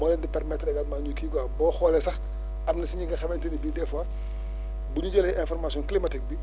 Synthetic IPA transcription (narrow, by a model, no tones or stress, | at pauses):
mɔːnɛndipɛrmɛtrɛɡɐtmaːɲukiɡɔabɔːxɔːlɛsɐx | ɐmnɐsiɲiŋɡɐxɐmɛntinibidɛfwa | buɲuɟɛlɛʔɛ̃nfɔrmasjɔ̃nklimɐtik̚bi